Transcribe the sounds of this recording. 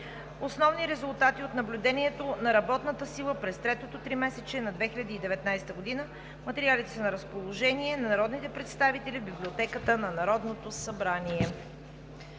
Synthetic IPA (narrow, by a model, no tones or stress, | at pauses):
osnɔvniɾɛzʊlˠt̪at̪iot̪nɐblʲʊd̪ɛniɛt̪onɐɾɐbɔt̪nət̪əsilˠəpɾɛst̪ɾɛt̪ot̪ot̪ɾimɛsɛt͡ʃɛnɐd̪vɛxilʲɐd̪iːd̪ɛvɛt̪najst̪əɡod̪inə | mɐt̪ɛɾialit̪ɛ̥sənɐɾəspolˠoʒɛniɛnɐnɐɾɔd̪nit̪ɛpɾɛt̪st̪avit̪ɛlʲibiblʲiot̪ɛkət̪ənɐnɐɾɔd̪not̪osɐbɾaniɛ